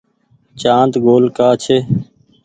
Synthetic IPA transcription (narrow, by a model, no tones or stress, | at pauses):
t͡ʃãːnt̪ɡoːlkaːt͡ʃʰeː